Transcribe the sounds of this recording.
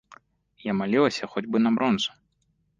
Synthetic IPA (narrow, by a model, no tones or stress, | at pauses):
jamalʲilˠɐsʲɐxɔdʲbɨnɐbɾʔɔnzʊ̥